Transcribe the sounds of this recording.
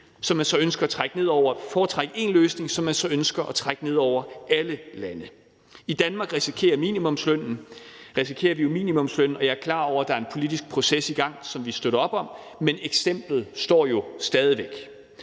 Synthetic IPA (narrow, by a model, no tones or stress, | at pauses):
sɒ̽mːænsɒ̽ønsɡ̥ɐːt͡sʰʁaɡ̥əne̝ð̞̰ˠɒʊ̰ɐfɒːt͡sʰʁaɡ̥əe̝nløːsne̝ŋsɒ̽mːænsɒ̽ønsɡ̥ɐʔɒt͡sʰʁaɡ̥əne̝ð̞̰ˠɒʊ̰ɐæləlænə | id̥ænmɑ̈ːɡ̥ʁisikʰe̝̰ːɐmḭːnimɔ̽msløn̰n̩ʁis̬ikʰe̝̰ːɐʋijo̝mḭːnimɔ̽msløn̰n̩ɒ̽jɑ̈æɐkʰlɑ̰̈ːɒʊ̰ɐd̥ɑ̈æɐe̝npʰo̝lid̥isɡ̥̚pʰʁo̝sesiɡ̥ɑ̈ŋ̰sɒ̽mʋisd̥oðˠɒ̽b̥ɒ̽m | meneɡ̥sem̰b̥lð̩ˠsd̥ɒ̰ːjo̝sd̥ɛːð̞ˠiʋeɡ̥